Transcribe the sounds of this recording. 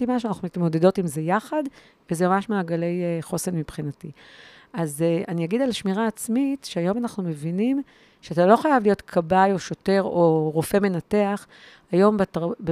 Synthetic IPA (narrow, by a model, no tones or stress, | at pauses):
imaʃ̬uanaχnumitmo̞de̞do̞timzejaχad | vezemamaʃmaːɡale̞jeχo̞senmipχinati | azeanijaɡid̪alaʃmiʁaːt͡smitʃeajo̞manaχnume̞vinim | ʃeatalo̞χajavlijo̞tkʰabajo̞ʃo̞te̞ʁo̞ʁofe̞me̞nate̞aχ | ajo̞mbatb